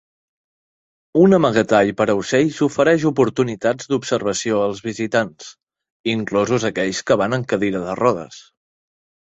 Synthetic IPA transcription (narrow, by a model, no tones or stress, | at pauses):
unəməɣət̪aʎpəɾəwsɛʎsufəɾɛʃupuɾt̪unit̪ad͡zd̪upsəɾβ̞əsioəlˠzβizit̪ans | iŋklɔzuzəkɛʎskəβanəŋkəðiɾəðərɔðə̰s